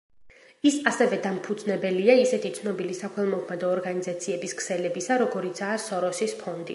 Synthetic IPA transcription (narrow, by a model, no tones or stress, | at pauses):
isasɛvɛd̪ampʰud̪znɛbɛliaisɛt̪ʰit̪sʰnɔbilisakʰwɛlˠmɔkʰmɛd̪ɔːɾɡanizat̪sʰiɛbiskʰsɛlɛbisaɾɔɡɔɾit̪sʰaːsɔɾɔsispʰɔnd̪ḭ